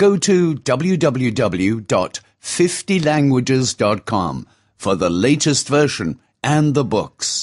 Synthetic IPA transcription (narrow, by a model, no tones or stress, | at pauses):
ɡ̥oʊɾɨdʌbl̩ˠjʉdʌbl̩ˠjʉdʌbl̩ˠjʉdɑ̰t | fɪftilæ̃ŋɡwɨd͡ʒɪzdɑt̚kʰɑ̰̃ɱ | fə˞ðəleɪɾɨstv̥ɜ˞ʃɨ̃n | ʔɨ̃nðəbʊ̰ks